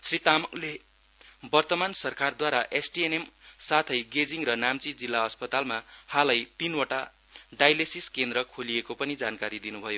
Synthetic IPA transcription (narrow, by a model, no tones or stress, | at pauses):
srit̪amʌkle | bʌrt̪ʌmansʌrkard̪waɾaʔesʈienemsat̪ʰʌjɡed͡ziŋrʌnamt͡sid͡zilːaʌspʌt̪almahalʌjt̪inwaʈa | ɖajlesiskend̪ɾʌkʰoliekopʌnid͡zankaɾid̪inubʱʌjo